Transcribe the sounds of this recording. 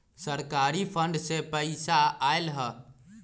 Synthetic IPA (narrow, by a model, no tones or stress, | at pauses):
səɾkaɾipʰəɳɖsepəɪsaajlɦə